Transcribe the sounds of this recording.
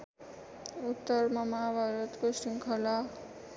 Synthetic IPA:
ut̪ːʌrmʌmabʱʌɾʌt̪kosiŋkʰʌla

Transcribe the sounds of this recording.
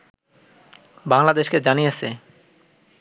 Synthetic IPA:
baŋlad̪eʃked͡ʑanijet͡ɕʰe

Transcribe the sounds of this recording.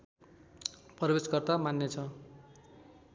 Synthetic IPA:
prʌbesɡʌrt̪amanːet͡sʰʌ

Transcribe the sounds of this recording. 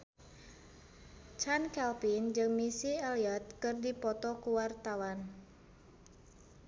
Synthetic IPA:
t͡ʃankɛlpind͡ʒɨŋmisialiat̪̚kɨrdipɔt̪ɔkuwart̪awan

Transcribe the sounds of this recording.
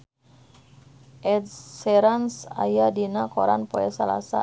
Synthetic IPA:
ʔɛdːɛɾansa̰jadinakɔɾanpɔɛsala̰sa̰

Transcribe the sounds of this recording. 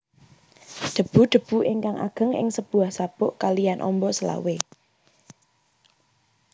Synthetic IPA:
d̪̥ə̤b̥ṳd̪̥ə̤b̥ṳʔɪŋkaŋʔa̰ɡ̥ə̤ŋɪ̰ŋsəb̥uahsab̥ʊʔkalijanʔɔ̰mbɔsəla̰we

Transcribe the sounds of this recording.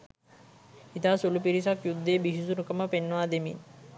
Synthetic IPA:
it̪aːsulupiɾis̬akjud̪ːeːbiʃisunukəməpenːəʋaːd̪emḭn

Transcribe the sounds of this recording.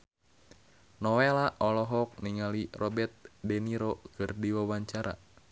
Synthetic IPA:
nɔwelaʔɔlɔɦɔk̚niŋalirɔbɛrt̪̚dɛniɾɔkɨrdiwawaɲt͡ʃaɾa̰

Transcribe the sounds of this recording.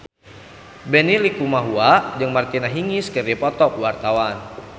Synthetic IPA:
bɛnilikumaɦuad͡ʒɨŋmart̪inaɦiŋiskərdipɔt̪ɔkwart̪awan

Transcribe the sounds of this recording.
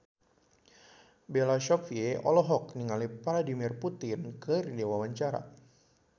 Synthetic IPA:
belaʃɔfieɔlɔɦɔk̚niŋalipaɾadimɪrput̪ɪnkərdewawaɲt͡ʃaɾa̰

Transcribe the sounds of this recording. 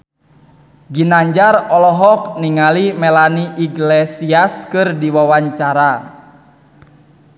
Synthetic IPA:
ɡinaɲd͡ʒarɔlɔɦɔk̚niŋalimɛlaniʔiɡlɛsiaskɨrdiwawaɲt͡ʃaɾa

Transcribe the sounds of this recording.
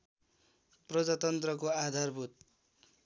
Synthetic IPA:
prʌd͡zat̪ʌnt̪rʌkoad̪ʱarbʱut̪̚

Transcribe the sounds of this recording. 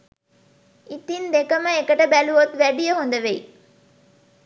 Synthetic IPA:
it̪ind̪ekəməekəʈəbæluʋot̪ʋæɖijəɦond̪ɐʋej

